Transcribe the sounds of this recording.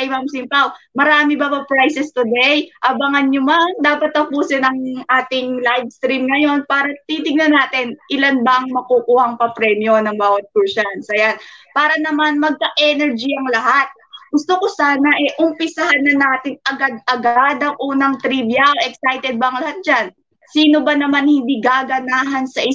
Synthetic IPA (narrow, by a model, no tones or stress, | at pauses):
ɐjmamsɪmpawmɐɾaːmɪbɐbɐpɾajsɛst̪ʊd̪ɛjʔɐbɐŋɐnɲʊmaŋd̪aːpɐt̪̚ːɐpuːsɪnɐŋʔaːt̪ɪŋlajbst̪ɾimnɐjo̞npaːɾɐt̪it̪ɪŋnɐnaːt̪ɪnʔɪlanbɐʔɐŋmɐkukuːhɐŋpɐpɾɛmjo̞nɐŋbaːwɐt̪̚puʃansɐjanpaːɾɐnɐmanmɐɡ̚kɐʔɛnɛɹd͡ʒiɐŋlɐhat̪̚ | ɡ̥ʊst̪okosaːnɐʔɛʔʊmpɪsɐhanːɐnaːt̪ɪŋʔɐɡad̪̚ɐɡad̪ɐŋʔuːnɐŋt̪ɾiːbjɐʔɛksajt̪ɛd̪̚bɐɐŋlɐhat̪̚d͡ʒan | siːno̞bɐnɐmanhɪnd̪iɡaːɡɐnaːɦɐnsɐʔɪ